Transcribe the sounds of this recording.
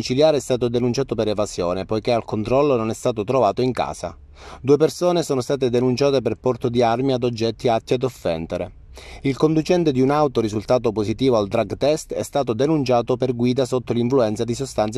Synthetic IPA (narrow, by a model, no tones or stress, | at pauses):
it͡ʃiljaːɾeɛst̪aːt̪od̪enunt͡ʃaːt̪opeɾevazjo̰ːnepojkealkont̪ɾɔlːononɛst̪aːt̪ot̪ɾovaːt̪oiŋka̰ːsa̰ | d̪uːepersoːnesoːnost̪aːt̪ed̪enunt͡ʃaːt̪eperpɔrt̪od̪iarmiad̪od͡ʒːɛt̪ːiat̪ːiad̪ofːɛ̰nt̪eɾe | ilkond̪ut͡ʃɛnt̪ed̪iunawt̪orizult̪aːt̪̬oposit̪iːvoald̪ɾaɡt̪ɛst̪ɛ̰st̪aːt̪̬od̪enunt͡ʃaːt̪operɡwiːd̪asot̪ːoliɱfluɛnt̪sad̪isost̪ant̪s